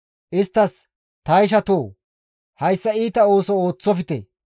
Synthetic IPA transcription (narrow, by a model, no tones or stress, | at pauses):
ʔɪst̪ːɐs | t̪ɐjʃ̬ɐt̪oː | hɐjsːɐiːt̪ɐoːsɔoːt͡sːɔfɪt̪ɛ̰